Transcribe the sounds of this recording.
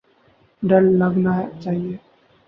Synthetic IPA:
ɖəlːəɡnaɦt͡ʃaːɦie

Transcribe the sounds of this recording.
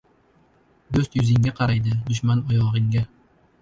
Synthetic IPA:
d̪ɵst̪jɵzɪŋɡʲaqʰɑɾajd̪ɪd̪ʊʃmanɒjɒʁɨŋɡʲa

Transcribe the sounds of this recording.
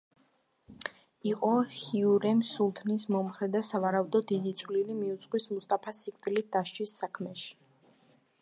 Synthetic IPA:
iqʼɔhiuɾɛmsulˠt̪ʰnis̬mɔmχɾɛd̪asavaɾaud̪ɔːid̪it̪sʼʰwlilimiut̪sʼqʼwismust̪ʼapʰasikʰʼt̪ʼilid̪aʃt͡ʃʰʼisːakʰmɛʃi̥

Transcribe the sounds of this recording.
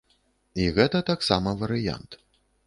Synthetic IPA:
iɣɛt̪ɐt̪aksamɐvɐɾɨja̰nt̪

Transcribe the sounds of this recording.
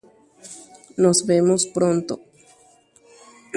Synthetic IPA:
nozβe̞mospɾont̪o

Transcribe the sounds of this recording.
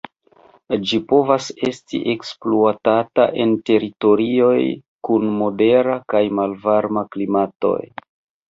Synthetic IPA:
d͡ʒipo̞vase̞stḭʔe̞kspluatata̰ʔe̞nte̞ɾito̞ɾio̞j | kunmo̞de̞ɾakajmalvaɾmaklimato̞̰j

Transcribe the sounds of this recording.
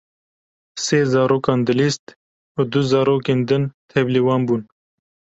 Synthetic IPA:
seːzɑːɾoːkɑːnd̪ɨlist̪ | ud̪uzɑːɾoːkeːnd̪ɨnt̪ʰɛbliwɑːnbuːn

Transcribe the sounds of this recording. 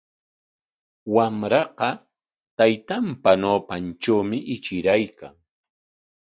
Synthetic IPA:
wamɾɑqɑ | t̪ajt̪ampanoːpant͡ʃawmɪʔɪt͡ʃɪɾajkaŋ

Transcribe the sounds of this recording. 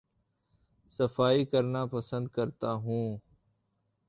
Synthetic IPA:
səfaːiːkəɾnaːpəsə̃nd̪kəɾt̪aːɦũː

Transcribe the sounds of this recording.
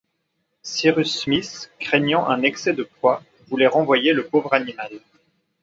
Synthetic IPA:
siʁysmiskχɛɲɑ̃ʔɛ̃nɛksɛd̪əpwa | vulɛʁɑ̃vwajeləpovʁanimal

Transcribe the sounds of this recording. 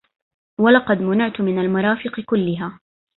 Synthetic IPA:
walɑqɑd̪mʊnɪʕt̪mɪnalmʊɾˤɑːfɪqkʊlːɪɦaː

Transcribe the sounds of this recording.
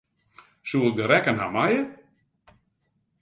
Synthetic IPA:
suɪk̚dəɾɛkənɦamajə

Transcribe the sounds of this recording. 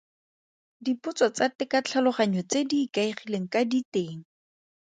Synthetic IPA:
dipʊt͡sɔt͡satɪkat͡ɬʰalʊχaɲɔt͡sedikaiχileŋ̩kaditeːŋ̩

